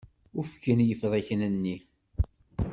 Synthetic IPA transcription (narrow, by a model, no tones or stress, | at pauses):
ʊɾfkːənjəfðˤæçənənːi